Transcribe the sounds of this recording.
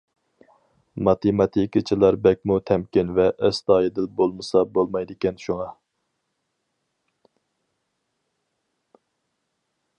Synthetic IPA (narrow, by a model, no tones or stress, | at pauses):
mɑt̪ʰemɑt̪ʰikʲit͡ʃʰilˠɑɾbɛk̚ʲmut̪ʰɛmkʲɪnvɛʔɛst̪ɑːjed̪ɪlbolˠmɨsɑbolˠmɑjd̪ɪkʲɛnʃuŋɑ